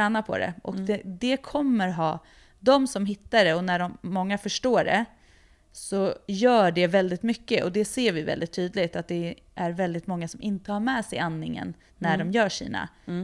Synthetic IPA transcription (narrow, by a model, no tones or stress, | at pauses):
ɛːnapʰɔ̰d̪ɛ̰ʔɔ̰kd̪ɛd̪ɛkʰɔmːəɾɦɑː | d̪ɔmsɔmɦɪt̪ːaɖɛɔnæɖɔmːɔŋːafœʂʈoːɖɛ̰ | sɔjœːɖɛvɛld̪ɪt̪mʏkːəʔɔd̪ɛseːɾvɪvɛ̰ld̪ɪt̪ʰːyːd̪lɪɡt̪at̪̚d̪ɛ | ʔæɾvɛld̪ɪt̪mɔŋːasɔmʔɪnt̪əhaɾmɛːsɛjanːɪŋːə̰nː | æɖɔmjœːʂḭːna̰